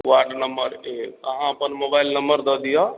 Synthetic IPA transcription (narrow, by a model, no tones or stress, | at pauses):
ʋaɖnəmbəɾet̪əɦãəpənmobaɪilnəmbəɾd̪ɔd̪ija